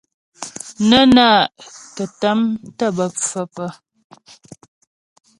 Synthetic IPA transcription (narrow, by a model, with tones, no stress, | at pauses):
nə˦naː˦˨ʔtə˨tə˨˦mtə˦˨bə˨pfə˦˨pə˨